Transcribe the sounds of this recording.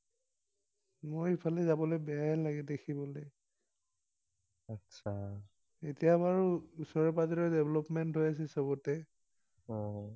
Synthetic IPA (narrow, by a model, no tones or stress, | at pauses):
mojpʰalɛzabɔlojbɛaɛlaɡɛdekʰibɔle | atsʰa | etijabaɹuusɔɹɔpazɔɹɔdebʱlɔpmɛntɦojas̬ɛsɔbɔtɛ | ɔ̃